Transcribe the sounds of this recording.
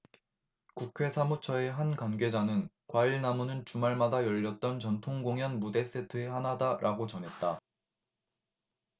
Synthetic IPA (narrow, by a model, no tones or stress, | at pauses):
kukʰwe̞sʰamut͡ɕʰʌe̞ɦankwanɡe̞d͡ʑanɯn | kwaiɭnamunɯnt͡ɕumaɭmadajʌʎːʌt̚t͈ʌnt͡ɕʌntʰoŋɡoŋjʌnmude̞s͈e̞tʰɯehanadaɾʔaɡot͡ɕʌnɦe̞t̚t͈a